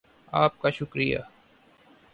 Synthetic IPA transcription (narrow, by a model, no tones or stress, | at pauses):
aːp̚kaʃʊkɾija̰